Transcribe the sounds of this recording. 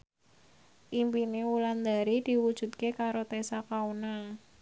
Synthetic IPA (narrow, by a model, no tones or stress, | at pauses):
ʔimpinewuland̪aɾid̪̥i̤wud̥ʒ̥ṳt̪̚kekaɾot̪esakauna